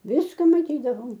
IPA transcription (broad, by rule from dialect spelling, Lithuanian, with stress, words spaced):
ˈʋʲɪskɐ mɐˈtʲiːdɐʋoːm